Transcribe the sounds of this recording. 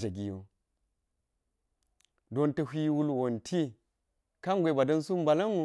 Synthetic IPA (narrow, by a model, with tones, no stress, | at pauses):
d͡ʒa˨ɡi˨jo˨ | do˦ntɐ˨hʷi˦wu˦lwo˨ntʰi˦ | ka˦ŋ˦ɡʷe˨ba˨dɐ˦nsu˦mba˨la˦nu˦˨